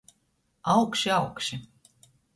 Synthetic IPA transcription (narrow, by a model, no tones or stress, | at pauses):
ɑwkʃiɑwkʃi